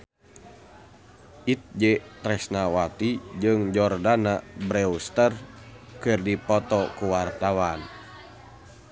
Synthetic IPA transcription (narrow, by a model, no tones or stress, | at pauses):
ʔit̪̚d͡ʒɛt̪ɾɛsnawat̪id͡ʒɨŋd͡ʒɔrdanabɾɛust̪ər | kɨrdipɔt̪ɔkuwart̪awan